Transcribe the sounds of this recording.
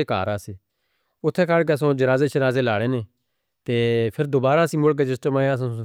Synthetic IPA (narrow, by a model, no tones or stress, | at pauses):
eːka̰ːɾaːseː | ʊt̪ʰːeːkʰaːɽk̬eəsõːd͡ʒəɾaːzeːt͡ʃʰəɾaːzeːlaːɽeːnẽː | t̪eːpʰɪɾd̪oːbaːɾaːsĩːmbʊɽk̬eːd͡ʒɪsʈəmãːəs̬õː